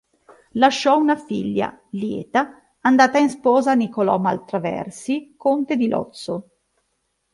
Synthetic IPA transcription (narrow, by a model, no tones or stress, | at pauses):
laʃːɔunafiʎːa̰ljɛ̰ːt̪aː | nd̪aːt̪ainspɔːzanikolɔ̰ːma̰lt̪ɾavɛ̰rsikont̪ed̪ilʔɔ̰t̪sːo